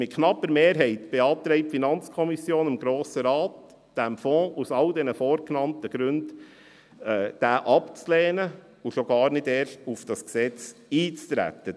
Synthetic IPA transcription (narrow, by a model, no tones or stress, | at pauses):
mɪt̚kʰnɑpəɾmeːɾɦɛɪtb̥eɑːp̚t̪ɾɛɪp̚tfinɑnt͡skʰɔmisjoːnɪmɡɾoːsəɾɑːt | d̥æmfɔ̃ːusɑldɛnəfoːɾknɑntəɡ̥ɾʉnd | ɛːd̥æːʔɑpt͡slɛːnə | uʃoɡ̥ɑːɾnɪdeːɾʃtufd̥ɑsksɛt͡siːt͡st̪ɾæ̰t̪ə